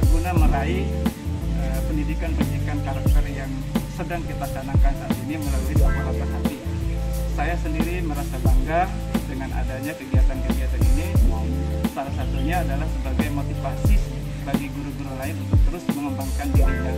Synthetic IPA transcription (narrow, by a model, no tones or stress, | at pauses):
ɡunaməɾaɪ | əpəndidikanpəndidikankaɾak̚t̪ərjaŋ | sədaŋkit̪asanaŋkansanainiməlaluidapapat̪asapi | sajasəndiɾiməɾasabaŋɡaŋ | dəŋana̰daɲakəɡiat̪ankəɡiat̪aninimamsadasat̪uɲaːdalahsəbaɡajmot̪ifasi | baɡiɡuɾuɡuɾulaɪnunt̪ʊk̚t̪əɾʊsməŋəmbaŋkanɡidit̪a